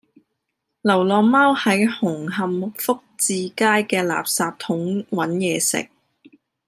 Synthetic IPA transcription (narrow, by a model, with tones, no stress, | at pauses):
lɐ˨˩wlɔː˨ŋmɐ˥whɐ˨˥jhʊ˨˩ŋɦɐ˨mk̚fʊ˥k̚t͡siː˨˧kaː˥jkɛː˧la̰ː˨p̚saː˧p̚t̪ʰʊ˨˥ŋwɐ˨˥njɛː˨sɪ̰˨k̚